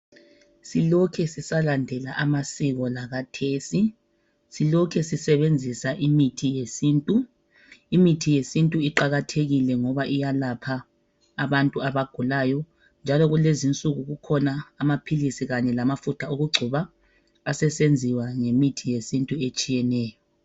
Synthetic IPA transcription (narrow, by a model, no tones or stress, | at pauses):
silɔkʰɛsisalandʱɛlaʔamasiɣɔlaɣatʰeːsi | silɔkʰɛsisɛβend͡zʱisaʔimitʰijesiːntʼu | imitʰijesintʼuiǃaɣatʰeɣilɛŋɔβaʔijalapʰaː | βantʼuaβaɡ̥ʱulajɔ | nd͡ʒʱalɔɣulezint͡sʼuɣuɣukʰɔnaːmapʰilisiɣaɲɛlamafutʰaoɣuɡ͡ǀʱuβaː | sɛsend͡zʱiwaŋemitʰijesintʼuet͡ʃʼijɛnɛːjɔ